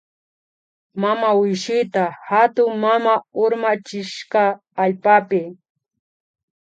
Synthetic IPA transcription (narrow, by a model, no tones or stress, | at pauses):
mamaɪjʃɪt̪ahat̪ʊŋmamaʊɾmat͡ʃɪʃqɑː | ʎpapɪ